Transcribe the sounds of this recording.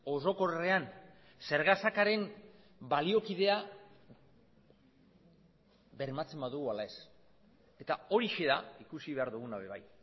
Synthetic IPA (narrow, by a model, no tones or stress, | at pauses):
o̞so̞ko̞re̞an | se̞ɾɣasakaɾe̞m | balio̞kiðe̞a | βe̞ɾmat͡se̞mbaðuɣualae̞s | e̞t̪ao̞ɾiʃe̞ðaikusiβe̞aɾðuɣ̞unaβe̞β̞aj